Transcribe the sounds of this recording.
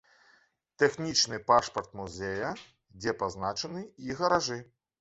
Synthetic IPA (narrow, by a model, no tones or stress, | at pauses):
t̪ɛxnʲit͡ʂnɨpaʂpɐrt̪muzʲɛjɐ | d͡zʲɛpaznat͡ʂɐnɨiɣɐɾaʐɨ